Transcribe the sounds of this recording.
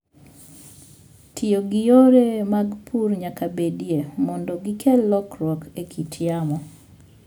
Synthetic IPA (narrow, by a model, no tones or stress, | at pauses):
tʰɪoɡɪjoɾemaɡpʰurɲakabedjemɔndɔɡikʰɛlɔkɾwɔkekʰitjamɔ